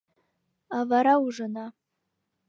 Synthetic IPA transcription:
avaɾauʐɨna

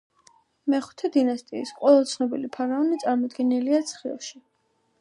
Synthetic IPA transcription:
mɛχu̥t̪ʰɛd̪inast̪ʼiisqʼwɛlˠat̪sʰnɔbilipʰaɾaɔnit̪sʼaɾmɔd̪ɡɛniliat̪sʰχḭlˠʃi

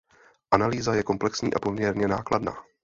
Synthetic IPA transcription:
ʔanaliːzajɛko̞mplɛksɲḭːʔapo̞mɲɛɾɲɛnaːkladna̰ː

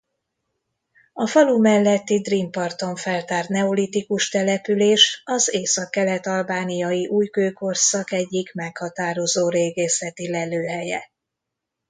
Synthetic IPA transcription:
ɒfɒlumɛlːɛt̪ːid̪rimpɒrt̪o̞ɱfɛlt̪aːrt̪nɛolit̪ikuʃt̪ɛlɛpyleːʃɒzeːsɒkːɛlɛt̪ɒlbaːnijɒjiʔuːjkøːko̞rsɒkɛɟːikmɛkhɒt̪aːɾo̞zoːɾeːɡeːsɛt̪ilɛløːɦɛjɛ̰

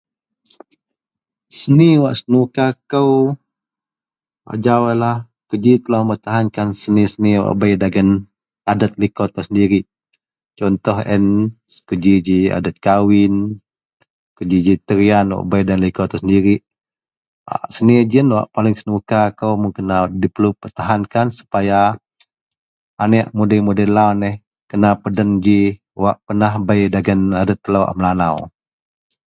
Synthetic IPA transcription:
səniwaʔsənukakəw | wa̰ʔd͡ʒawalah | kəd͡ʒit̪əlaməmərt̪aɦankansənisəniwa̰ʔbajdaɡan | adat̪̚likɔt̪̚asəndiɾiʔ | t͡ʃɔnt̪ɔɦɛ̰n | kəd͡ʒid͡ʒia̰dat̪̚kawɪn | kəd͡ʒid͡ʒit̪əɾianwa̰ʔbajdanlikot̪usəndiɾiʔ | a̰ʔsənid͡ʒənwa̰ʔpalɪŋsənukakəwmuŋkinadipərlupərt̪aɦankansu̥paja | nɛʔmudəmudɛlawnɛh | kənapədənd͡ʒi | waʔpənahbajdaɡənadət̪ːəlawa̰ʔməlanaw

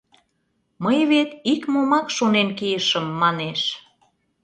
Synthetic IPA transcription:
məjβet̪ikmomɑkʃonenkijəʃəmːɑneʃ

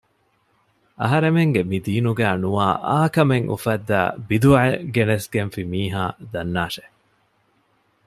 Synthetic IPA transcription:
ɐ̰ɦɐɾemeŋɡemid̪iːnuɡæːnuaːʔaːkɐmeŋʔṵfɐd̪ːæ̰ːbid̪uɐeɡenesɡenfimiːɦaːd̪ɐnːaːʃe

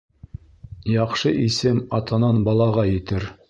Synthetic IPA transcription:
jɑqʃɤʔisɘmɑt̪ɤ̆nɑnbɑlˠɑʁɑjɘ̆t̪ɘɾ

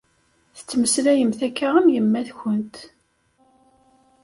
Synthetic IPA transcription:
θə̥t͡sːməslæjəmθækːaæmjəmːæθçənt̪

